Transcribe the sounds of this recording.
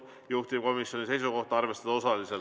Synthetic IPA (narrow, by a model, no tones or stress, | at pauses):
juht̪ʲip̚ko̞misjo̞nise̞js̬uko̞ht̪ɑɑrve̞st̪ɑd̪ɑo̞sɑlisel